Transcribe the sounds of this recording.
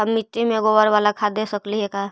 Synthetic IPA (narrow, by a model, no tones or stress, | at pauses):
əmːit̪ːimẽɡoʋəɾʋaːlakʰad̪esəkliɦɛka